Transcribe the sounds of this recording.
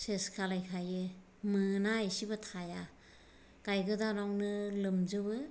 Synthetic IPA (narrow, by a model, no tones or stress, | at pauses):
seskʰalajkʰajɯ | mɯnaasibɯtʰaja | ɡ̥ajɡɯdanɔŋnɯlɯmzɯbɯ